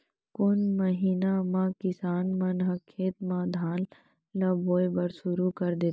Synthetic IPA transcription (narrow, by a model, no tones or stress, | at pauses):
kʊnməɦiːnamãkɪsaːnmɐnɦəkʰːeːt̪mãd̪ʱaːn | lɐboːebəɾsʊɾukɐɾd̪eːt̪